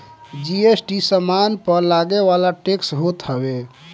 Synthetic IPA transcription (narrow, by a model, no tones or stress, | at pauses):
d͡ʒiesʈisəmanpəɾlaɡeʋalaʈeksɦot̪ɦəbe